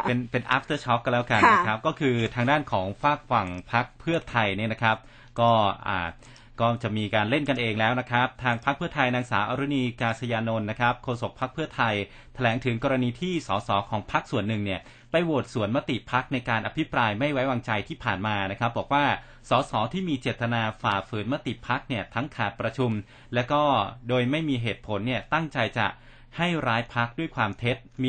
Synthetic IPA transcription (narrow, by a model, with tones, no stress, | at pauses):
pe˧npe˧nʔaː˦˥p̚t̪əː˧˦t͡ɕʰɔ˦˥klɛː˦˥wka˧n˦˥kʰa˦˥p̚kɔː˥˩kʰɯː˧t̪ʰaː˧ŋdaː˥˩nkʰɔː˩˦ŋfaː˥˩k̚fa˨˩ŋpʰa˦˥k̚pʰɯ˥˩ɐt̪ʰa˧jniː˥˩na˦kʰɾa˦˥p̚ | kɔː˥˩ʔa̰ː˨˩ | kɔː˥˩t͡ɕa˨˩miː˧kaː˧nle˥˩nka˧nʔeː˧ŋlɛː˦˥wna˦˥kʰa˦˥p̚t̪ʰaː˧ŋpʰa˦˥k̚pʰɯ˥˩ɐt̪ʰa˧jnaː˧ŋsaː˩˦ʔaː˧ɾu˦˥niː˧kaː˧sa˧jaː˧no˧nːa˦˥kʰa˦˥p̚kʰoː˧so˨˩k̚pʰːa˦˥k̚pʰɯ˥˩ɐt̪ʰa˧j | t̪ʰa˧lɛː˩˦ŋt̪ʰɯ˩˦ŋkɔː˧ɾa˧niː˧t̪ʰiː˥˩sɔː˩˦sɔː˩˦kʰɔː˩˦ŋpʰa˦˥k̚su˨˩ənːɯ˨˩ŋni˥˩ɐ | pa˧jwoː˨˩t̪̚su˨˩˦ənma˦˥t̪ḭ˨˩pʰa˦˥k̚na˧jkaː˧nʔa˧pʰi˦˥pɾaː˧jma˥˩jwa˦˥jwaː˧ŋt͡ɕa˧jt̪ʰiː˥˩pʰaː˨˩nmaː˧na˦˥kʰa˦˥p̚bɔː˨˩k̚waː˥˩ | sɔː˩˦sɔː˩˦t̪ʰiː˥˩miː˧t͡ɕeː˨˩t̪ːa˧naː˧faː˨˩fɯː˩˦nma˦˥t̪i˨˩pʰa˦˥k̚ni˥˩ɐt̪ʰa˦˥ŋkʰaː˨˩t̪̚pɾa˧t͡ɕʰu˧m | lɛː˦˥wkɔː˥˩doː˧jma˥˩jmiː˧ɦeː˨˩t̪̚pʰo˩˦nːi˥˩ɐt̪a˥˩ŋt͡ɕa˧jt͡ɕa̰˨˩ʔ | ha˥˩jɾaː˦˥jpʰa˦˥k̚du˥˩jkʰwaː˧mt̪ʰe˦˥t̪̚mː˧